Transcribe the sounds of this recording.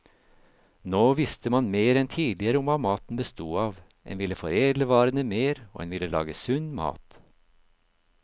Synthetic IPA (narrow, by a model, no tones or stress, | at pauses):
noːʋɪst̪əmɑnmeːɾɛnt̪ʰiːd̪lɪəɾəʊmɑːmɑːt̪n̩bəst̪uːɑːʋ | ʔɛ̰nʋɪləfɔɾeːd̪ləʋɑːɾənəmeːɾo̰ːhɛ̰nʋɪləlɑ̰ːɡəsʉnmɑ̰ːt̪